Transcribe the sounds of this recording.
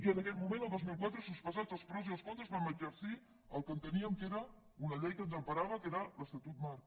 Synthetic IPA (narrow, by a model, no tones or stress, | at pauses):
iənəkɛt̪̚mumẽnəlˠd̪ozmilˠkwat̪ɾəsuspəzad͡zəlˠspɾɔziəlˠskont̪əzβaməd͡ʒəɾsi | əlˠkənt̪əniəmkeɾə | unəʎejkənzəmpəɾaβəkeɾələst̪ət̪ut̪̚mar